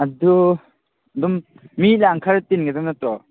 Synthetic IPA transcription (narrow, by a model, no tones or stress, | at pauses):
adu | dumː | ilaŋkʰaɾtinɡadɔmnatɔ